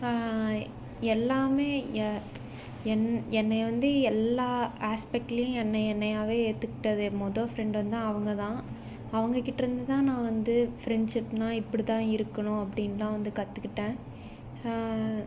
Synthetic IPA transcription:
ɛlːaːmeː | ɛnːɛnːɐʋɐnd̪ɯɛlːaːaːspɛk̚ʈɐlɐjʊ̃ɛnːɐɛnːɐjaːʋeːeːt̪ːɯkːɪʈːɐðɯmɔðoːfɾɛɳɖʋɐnd̪t̪ãːɐʋɐŋɡɐt̪ãː | ɐʋɐŋɡɐkːɪʈːɐɾɯnd̪ɯt̪ãːnãːʋɐnd̪ɯfɾɛɳɖʂɪpnãːɪpːɐɽit̪ãːɪɾɯkːɐɳʊ̃ɐpːɐɽɪnlãːʋɐnd̪ɯkɐt̪ːɯkːɪʈːẽː

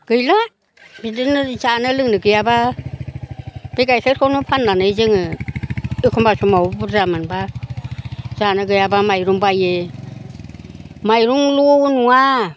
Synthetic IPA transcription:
ɡ̥ɯjla | bidɯnɯzanɯlɯŋnɯɡɯjaba | b̥eɡajkʰeɾkʰɔnupʰanːanɯjzɯŋɯ | ɯkʰɔmbasumawbɯzamɯnba | zanɯɡɯjabamajɾuŋbaje | majɾuŋluunuŋa

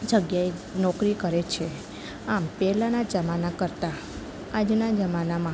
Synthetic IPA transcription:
d͡ʒəɡjaenɔkɾikəɾet͡ʃʰe | ampɛlanad͡ʒəmanakəɾt̪a | ad͡ʒnad͡ʒəmanamã

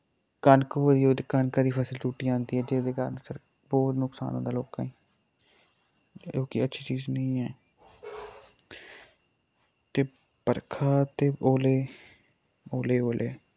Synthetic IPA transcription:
kaːnkod̪iːoːd̪kaːnkãːd̪iːpʰəːsəlt͡ʃuːʈːiːãːnd̪iːɛːd͡ʒeːd̪eːka̰ɾnsəɾ | bɔːt̪nʊksa̰ːnõ̰ːd̪aːloːkãːĩː | d͡ʒoːkiətːʃʰiːt͡ʃiːznəĩːɛː | t̪eː | pəɾkʰaːt̪eːoːleː | oːleːoːlʔḛː

